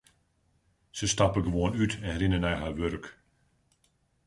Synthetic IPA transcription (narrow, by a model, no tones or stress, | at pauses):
səstɑpəɡəʋoənytʰɛnrɪnənɛjɦarʋørk